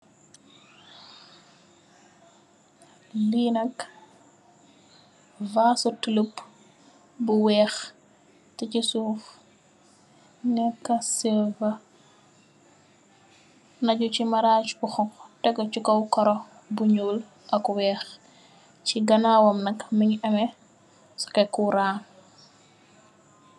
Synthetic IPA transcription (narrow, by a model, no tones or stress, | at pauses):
liːnɐk | vaːsutələp | buwɛːx | tɛcisuːf | nɛkːɐsɛvɐ | nɐɟucimɐɾaːt͡ʃbuxɔtɛɡɔt͡ʃukɐwkɔɾɔ | buɲuːl | ʔɐkwɛːx | ciɡɐnawɔmnɐkmiɲɐmɛ | sɔ̥kɛkuɾaːn